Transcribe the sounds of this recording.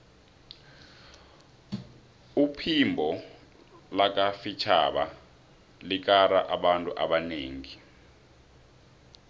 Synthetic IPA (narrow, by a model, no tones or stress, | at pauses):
upʰimbʱɔ | lak̬ʼafit͡ʃʰa̰ɓa̰ | lik̬ʼaraʔaɓantʼuʔaɓaneːŋi